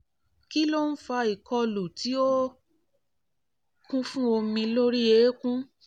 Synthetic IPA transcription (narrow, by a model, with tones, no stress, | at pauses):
ki˦lo˦n̩˦fa˧i˨kɔ˧lu˨ti˨˦o˦ | kʰũ˦fũ˦o˧mĩ˧lo˦ɾi˦e˨˦kũ˦